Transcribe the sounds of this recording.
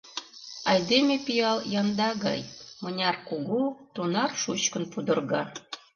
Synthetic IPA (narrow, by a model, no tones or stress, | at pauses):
ɑjd̪emʲepʲijɑlˠjɑnd̪ɑɡɑ̰jmɤ̆nʲɑrkuɡut̪unɑrʃut͡ɕkə̆npud̪ɤ̆rɣɑ